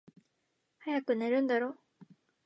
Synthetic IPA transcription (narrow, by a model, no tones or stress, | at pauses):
hajakɯ̟ne̞ɾɯ̟̃nd̪aɾo̞ː